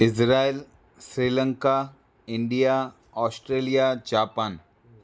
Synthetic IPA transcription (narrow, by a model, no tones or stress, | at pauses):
ɪsɾaːil | sɾiːlə̃ŋka | ɪ̃ɳɖija | ɔːsʈɾeːlijad͡ʒaːpaːn